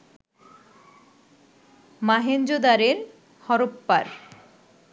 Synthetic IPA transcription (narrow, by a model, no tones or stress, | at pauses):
maɦend͡ʑod̪aɾeɾ | hɔɾopːaɾ